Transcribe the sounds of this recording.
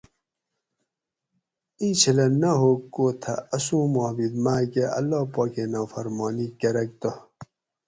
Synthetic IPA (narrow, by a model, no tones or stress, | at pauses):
ĩt͡ɕʰilɐnɐɦokːoːt̪ʰɐ̰ɐsũːmobid̪maːkeʔɐ̰lːoːpokenɐfɐɾmoːnikɐɾɐk̚t̪o